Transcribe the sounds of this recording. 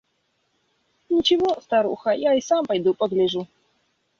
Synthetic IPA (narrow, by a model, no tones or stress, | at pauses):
ɲʲit͡ɕɛvɔst̪aɾṵxajaisampajd̪upɔɡ̪lʲɛʐu